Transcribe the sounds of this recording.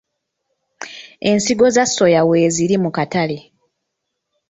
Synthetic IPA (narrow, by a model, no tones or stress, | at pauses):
e̞nsiɡo̞zasːo̞jawe̞ːziɾimukatale̞